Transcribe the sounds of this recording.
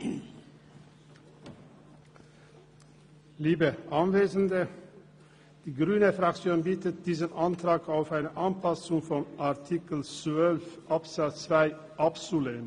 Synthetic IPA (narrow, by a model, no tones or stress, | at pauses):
liːbəʔɑnveːzn̩d̪ə | d̪̥iːɡʁyːnəfɾɑkt͡sjoːnbiːt̪ət̪̚d̪iːzənʔɑnt̪ʰɾɑːɡaʊfæɪnəʔɑnpʰɑsʊŋfɔnʔɑʁt̪ʰikəl̩t͡svœlfʔɑpsɑsvæɪ | ʔɑpsʊleːm